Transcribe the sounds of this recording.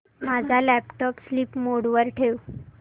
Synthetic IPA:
mad͡zʱalæpʈɔpslipmoɽʋəɾʈʰeʋ

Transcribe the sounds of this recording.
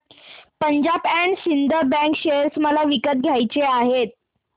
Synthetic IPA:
pəɲd͡ʑabæɳɖɕind̪əbæ̃ŋkɕeɾsməlaʋikət̪̚ɡʱjajt͡ɕeaɦet̪̚

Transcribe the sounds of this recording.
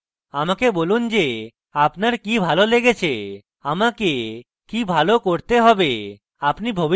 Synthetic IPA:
amakebolund͡ʑe | apnaɾkibʱaloleɡet͡ɕʰe | amake | kibʱalokoɾt̪eɦɔbe | apnibʱobi

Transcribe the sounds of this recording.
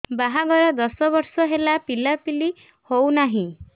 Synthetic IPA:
baɦaɡɔɾɔd̪ɔsɔbɔɾsɔɦelapilapili | hownaɦĩ

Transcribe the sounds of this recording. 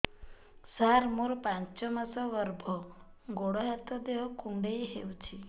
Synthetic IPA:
saɾmuɾpãnt͡ʃɔmasɔɡəɾbʱɔ | ɡoɽɔɦat̪ɔd̪eɦɔkuɳɖejɦewt͡ʃʰi

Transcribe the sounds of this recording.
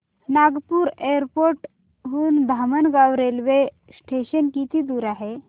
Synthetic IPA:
naɡpuːɾeɾpoɾʈ | ɦuːnd̪ʱamənɡaʋɾelʋe | sʈʰeɕənkit̪iːd̪uːɾaɦe

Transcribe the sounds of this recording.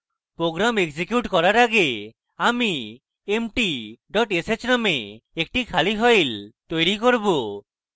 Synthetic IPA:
pɾoɡɾamekd͡ʒikjuʈkɔɾaɾaɡe | ami | emʈiɖɔʈeset͡ʃnameek̚ʈikʰaliɦɔjlt̪ojɾikoɾbo

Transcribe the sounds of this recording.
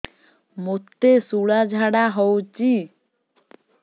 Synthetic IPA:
mot̪ːesuɽad͡ʑʱaɽaɦɔwt͡ɕi

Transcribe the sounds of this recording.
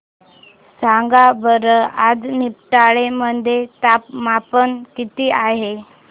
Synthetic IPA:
saŋɡabəɾəad͡znipʈaɭemənd̪ʱet̪apmapənkit̪iːaɦe

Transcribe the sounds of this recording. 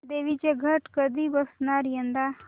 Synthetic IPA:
d̪eʋit͡ɕeɡʱəʈkəd̪ʱiːbəsnaɾjənd̪a

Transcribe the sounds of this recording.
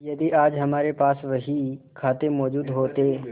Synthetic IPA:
jɐd̪iʔaːd͡ʒɦɐmaːɾepaːsʋɐɦikʰaːt̪emɔːd͡ʒuːd̪ɦoːt̪eː

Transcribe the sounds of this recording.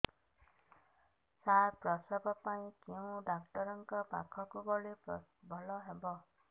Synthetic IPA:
saɾpɾɔsɔbɔpaĩkew̃ɖak̚ʈɔɾɔŋkɔbakʰɔkubɔɭebʱɔlɔɦebɔ

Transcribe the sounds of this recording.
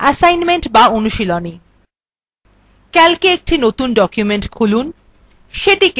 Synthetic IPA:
ɛsajnmeɳʈbaonuʃiloni | kɛlkeek̚ʈinot̪unɖɔkjumeɳʈkʰulun | ʃeʈik

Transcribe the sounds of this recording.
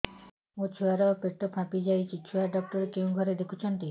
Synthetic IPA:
ot͡ɕʰuaɾapeʈ̪opʰãpid͡ʑajt͡ɕʰit͡ɕʰuaɾɖ̪ɔk̚t̪ɔɾekew̃ɡʱɔɾed̪ekʰut͡ɕʰɔnt̪i

